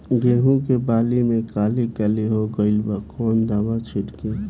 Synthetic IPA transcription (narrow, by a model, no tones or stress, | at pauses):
ɡeːɦũkebaːlimẽkaːlikɛleɦoɡəɪlbakʰoːnd̪abat͡ʃʰʊʈke